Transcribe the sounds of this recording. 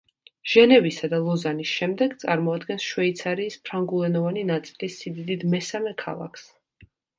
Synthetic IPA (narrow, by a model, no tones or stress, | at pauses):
ʒ̥ɛnɛvisad̪alˠɔzanisʃɛmd̪ɛɡt̪sʼaɾmɔad̪ɡɛnsʃwɛit̪sʰaɾiːspʰɾaŋɡulˠɛnɔvaninat̪sʼilisid̪id̪id̪mɛsamɛkʰa̰lˠa̰kʰs